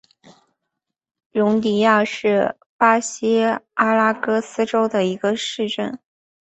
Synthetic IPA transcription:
ɻʊ˧˥ŋt̪i˨˩ja˥˧ʂɻ̩˥˩ | pa˥ɕi˥a˥la˥kɤ˥sɹ̩˥ʈ͡ʂo˥ʊd̪ə˨i˧˥ɡ̥ə˧ʂɻ̩˥˧ʈ͡ʂə̰˥˩n

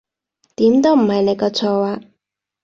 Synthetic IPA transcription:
t̪iː˨˥mt̪o˥wm̩˨˩hɐ˨jne˨˧jkɔː˧t͡sʰɔː˨˧waː˧

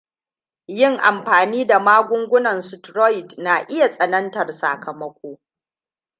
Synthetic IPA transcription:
jɪ˦˨ŋʔa˨mɸaː˨niː˦da˨maː˦ɡʷʊ˦ŋɡʷʊ˦nɐ˨nsʊ˨tɾɔ˦jɪ˨tna˨ʔɪ˦ja˨sʼɐ˨nɐ˦ntɐ˨rsa̰ː˨kɐ˨mɐ˦kʷoː˦

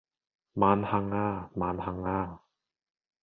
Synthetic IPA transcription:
maː˧˥nha˧˥ŋːaː˥˩maː˧˥nhʰa˧ŋːaː˥˩

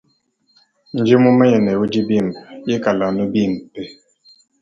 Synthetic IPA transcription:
n̩˨d͡ʒi˦mu˦me˦ɲɛ˨nɛ˨wu˦d͡ʒi˦bi˦˨m˨je˦ka˨la˨nu˦bi˦˨m̩˨pe˦

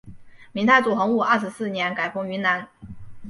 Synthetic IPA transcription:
mi˧˥ŋt̪ʰa˥˩ɪt͡su˨˩xɤ˧˥ŋu˥˧ʔa˞˥˩ʂɻ̩˧˥sɹ̩˥˩njɛ˧˥nka˨˩ɪkʊ˥ŋy˧˥na˧˥n

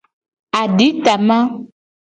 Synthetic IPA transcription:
a˨ɖi˨˦t̪a˨mã˦

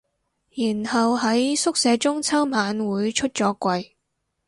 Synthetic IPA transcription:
jiː˨˩nhɐ˨whɐ˨˥jsʊ˥k̚sɛː˨˧t͡sʊ˥ŋt͡sʰɐ˥wmaː˨˧nwuː˨˧jt͡ʃʰɵ˥t̚t͡sɔː˨˥kʷɐ˧j

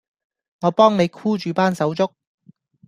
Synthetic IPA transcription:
ŋɔː˨˧pɔː˥ŋne˨˧jkʰuː˥t͡ʃyː˨˧paː˥nsɐ˨˥wt͡sʊ˥k̚

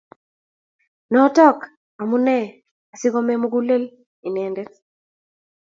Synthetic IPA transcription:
nɔ˦tɔ˦k | a˨mu˦nɛ˦˨ | a˨si˦ɡɔ˦me˦mu˦ɡu˦le˦l | i˨nɛ˨nde˦t

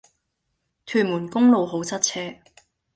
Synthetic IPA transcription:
t̪ʰyː˨˩nmuː˨˩nkʊ˥ŋlo˨wɦo˨˥wt͡sʰɐ˥t̚t͡sʰɛː˥

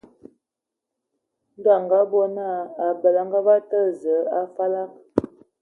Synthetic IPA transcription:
n˦da˦˨ŋɡa˦bɔ˦na˦˨a˨bə˨la˨ŋɡa˦ba˦tə˦zə˨˦a˦fa˦la˦k̚

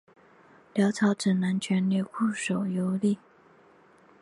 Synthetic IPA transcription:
ljɑ˧˥ʊt͡sʰɑ˧˥ʊʈ͡ʂə˨˩na˧˥nt͡ɕʰɥɛ˧˥nli˧˩kʰu˥˩ʂo˨˩ʊjo˧˥ʊli˥˩

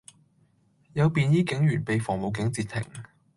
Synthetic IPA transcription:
jɐ˨˧wpiː˨njiː˥kɪ˨˥ŋjyː˨˩npe˨jfɔː˨˩ŋmo˨wkɪ˨˥ŋt͡siː˧t̪ʰːɪ̰˨˩ŋ

